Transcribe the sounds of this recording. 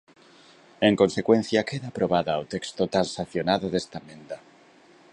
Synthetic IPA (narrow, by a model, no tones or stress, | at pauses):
e̞ŋko̞nse̞kwe̞n̟θjakeðapɾoβaðawt̪ekst̪ot̪ansaθjonaðoðest̪amẽnd̪a